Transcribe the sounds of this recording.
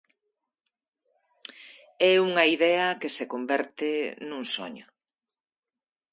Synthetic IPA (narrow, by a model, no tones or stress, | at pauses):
ɛuŋɐiðɛɐkesekombɛɾt̪enuŋso̰ɲʊ